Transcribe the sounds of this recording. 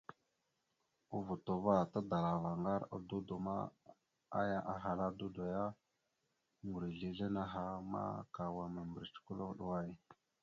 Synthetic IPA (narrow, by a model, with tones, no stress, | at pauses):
u˦vu˨to˨va˦ta˦da˨la˨va˨ŋɡa˦ɾa̰˨du˦do˨ma̰˦ | a˦ja˦ʔa˨ɦa˨la˦du˦da˨ja˦ | ŋɡu˨ɾi˨ɮi˨ɮe˦na˦ɦa˦ma̰˦ka˨wa˨mə˨mbə˨ɾt͡ʃi̥˨˦ku˦lo˦ɗu˨wa˦˨j